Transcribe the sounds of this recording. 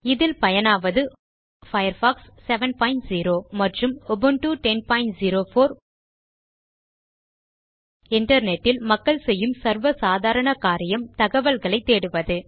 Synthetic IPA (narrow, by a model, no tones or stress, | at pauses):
ɪðɪlpɐjɐnaːʋɐðɯ | fɐjɐɾfaːksːɛʋɐnpɐːɪnʈziːɾoːmɐʈrɯmɔbɯnʈuːʈɛnpaːɪnʈziːɾoːfoːɾ | ɪɳɖɐɾnɛʈːɪlmɐkːɐɭsɛjːɯmsɐɾʋɐsaːðaːɾɐɳɐkaːɾɪjɐmt̪ɐɣɐʋɐlɣɐɭɐɪt̪ːeːɽɯʋɐðɯ